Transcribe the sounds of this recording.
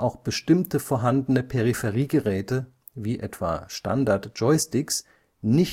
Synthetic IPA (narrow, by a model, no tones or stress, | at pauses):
ʔaʊxb̥əʃtɪmtəfoːɐɦandənəpʰɛʁifɛʁiːɡəʁɛːtə | viːʔɛ̰tv̥a̰ːʃta̰ndaɐtʒ̥ɔɪstɪks | nɪç